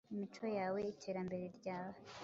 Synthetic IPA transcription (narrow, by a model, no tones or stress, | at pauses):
imit͡ʃo̞jaːwe̞itʰe̞ːɾambe̞ɾe̞ɾɟaːwa